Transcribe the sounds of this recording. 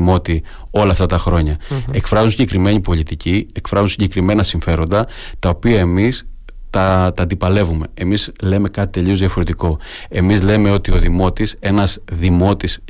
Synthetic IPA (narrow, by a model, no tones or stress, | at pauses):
mo̞t̪i | o̞lɐːft̪ɐt̪ɐxɾo̞ɲɐe̞kfɾɐzunsiɲɟekɾime̞ɲipo̞lit̪icie̞kfɾɐzunsiɲɟekɾime̞nɐsiɱfe̞ɾo̞nd̪ɐ | t̪ɐopiɐe̞mis | t̪ɐt̪ɐd̪ipɐle̞vume̞emizle̞me̞kɐt̪i̥t̪e̞ʎio̞zðiɐfo̞ɾe̞t̪iko̞ | e̞mizle̞me̞o̞t̪io̞ðimo̞t̪ise̞nɐzðimo̞t̪is